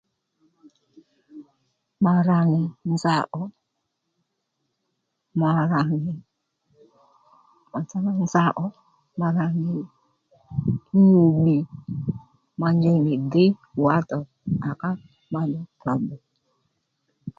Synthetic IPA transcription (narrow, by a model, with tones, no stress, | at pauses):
ma˨ɾa˨ŋɪ˨n˦za˦ʔɔ˨˦ | ma˨ɾa˨ŋɪ˨ | ma˨t͡sa˦ma˦n̩˦za˦ʔɔ˦ | ma˧ɾa˨nɪ˨˦ | o˨ɓi˨ | ma˧ɲd͡ʒɛ˧˨ni˨dɪ˦˨a˦tɔ˨ | a˨ka˦ | ma˦dɔ˦ka˨bo˨